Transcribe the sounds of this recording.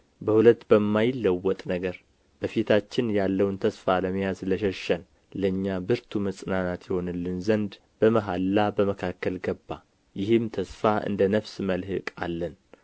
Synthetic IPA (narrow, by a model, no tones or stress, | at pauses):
bəhulət̪ːbəmːajɪlːəwːɔt̪ʼnəɡəɾ | b̥əfit̪ʰat͡ʃːɪnjalːəwnt̪ʰəsfaləməjazləʃəʃən | ləɲːabɨɾt̪ʰuməsʼɨnanat̪jɪho̞nɨlːɨnzənd̪ | b̥əməɦalːabəməkʰakːəlɡəbːa̰ | jɪhɨmt̪ʰəsfaʔɨ̰nd̪ənəfsməlɦɨkʼa̰lːən